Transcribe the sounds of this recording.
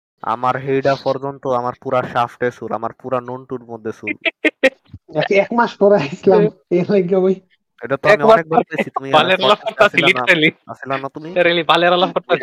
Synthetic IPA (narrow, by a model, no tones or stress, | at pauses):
a̰maɾɦejɖapɔɾd͡ʑont̪oamaɾpuɾaʃafʈesula̰maɾpuɾanoɳʈuɾmod̪ʱːesul | ɛiɛkmaʃpɔɾeasilam | elaɡɔboj | eʈat̪oaɛmiɔbaɾek̚baɾeit̪umibʱaleɾalakɔɾasilliɾeliasʰilanat̪umiɾelibaleaɾalakɔɾt̪a